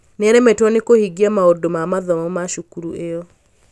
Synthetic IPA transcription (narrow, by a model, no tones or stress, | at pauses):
nɛɾɛmɛtɔnekohiɡiamaodomamaðɔmɔmaʃukuɾuʔejɔ